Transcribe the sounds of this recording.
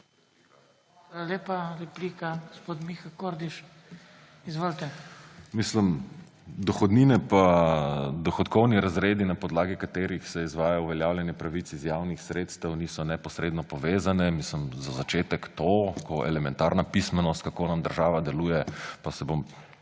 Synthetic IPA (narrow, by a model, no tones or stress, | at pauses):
alaleːpaɾɛplikaɡospoːt̪mixakoɾd̪iʃ | izʋoːlt̪ɛmisləm | d̪ɔxɔd̪ninɛpa | d̪ɔxɔt̪kɔwniɾazɾeːd̪inapɔd̪laːɡikat̪eːɾixsɛizʋaːjauʋɛljaːwljɛnjɛpɾaʋit̪sizjaːwnixsɾeːt̪st̪əwnisɔnɛpɔsɾeːd̪nɔpɔʋeːzanɛmisləmzazat͡ʃeːt̪ɛkt̪okʰɔʔɛ̰lɛmɛnt̪aɾnapismɛnɔst̪̚kakonamd̪əɾʒaːʋad̪ɛluːjɛpasɛbom